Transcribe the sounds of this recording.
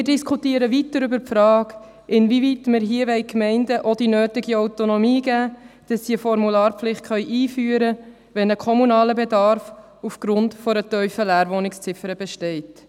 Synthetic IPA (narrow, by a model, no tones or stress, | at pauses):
mɪːdɪskʰutiːəɾəʋitdəɾʏbəɾpfɾɑːk | ʔɪnvivitmɪɾɦiəʋɛjkmɛɪndəʔɔd̥inøːtɪɡiawtonɔmiːɡæːd̥ɑsːiəfɔɾmulɑːɾplɪχt̚χœʏʔiːfyːəɾə | ʋɛnəkʰɔmunɑːləbedɑɾf | ufɡ̥ɾʊntfɔɾətœʏfəlæːɾʋonɪkst͡sɪfəɾəb̥ɛʃtɛɪt